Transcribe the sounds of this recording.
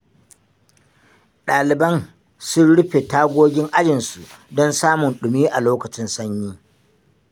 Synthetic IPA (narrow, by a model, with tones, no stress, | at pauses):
ɗaː˨lɪ˨bɐ˦n | sʊ˦nɽʊ˦ɸe˨taː˦ɡʷoː˦ɡʲɪ˦ŋʔa˦d͡ʒɪ˨nsu˨dɔ˦nsaː˦mʊ˨nɗʊ˨miː˦ʔa˨loː˦kɐ˨t͡ʃɪ˦nsɐ˦ɲjiː˦